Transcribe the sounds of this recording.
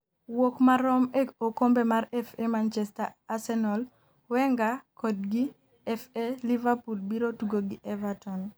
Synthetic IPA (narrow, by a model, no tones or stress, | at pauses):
wokmaɾɔmeokombemaɾɛfemant͡ʃɛstaasɛnɔl | wɛŋɡakɔd̚ɡi | ɛfelivapulbiɾotuɡoɡiʔɛvatɔn